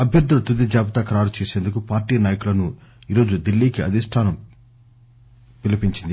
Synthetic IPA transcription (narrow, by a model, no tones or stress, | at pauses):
ɐbʱjɐɾd̪ʱulɐt̪ud̪id͡ʒaːpɐt̪ɐkɐɾaːɾut͡ʃeːseːnd̪ukupaːɾʈiːnaːjɐkulɐnuiːɾo̞ːd͡ʒud̪ilːiːkiɐ̰d̪ʱisʈʰaːnɐm | pilɐpiɲt͡ʃind̪i